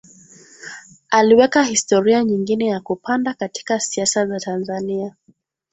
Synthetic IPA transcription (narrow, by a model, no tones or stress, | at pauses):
aliwɛkahistɔɾiaɲiŋɡinɛjakupandakati̥kasiasazatanzania